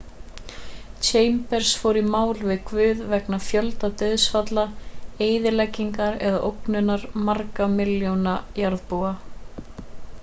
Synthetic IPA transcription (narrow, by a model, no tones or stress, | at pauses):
t͡ʃʰeːjmpɛɾ̥sfowɾimaːwlvɪðkʰvʏːðvɛknafjœlt̪at̪œɥðsfat̪laeːjðɪlɛcːiŋkaɾɛðaʔowknʏnaɾmaɾkamɪljownajaɾðpua